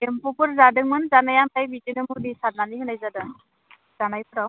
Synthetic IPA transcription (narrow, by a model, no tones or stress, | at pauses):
empupɯɾzadɯŋmɯnzanajamt̪ajbitinɯmuk̚disad̪̚naniɦɯnajzadɯŋ | zanajpɯɾaw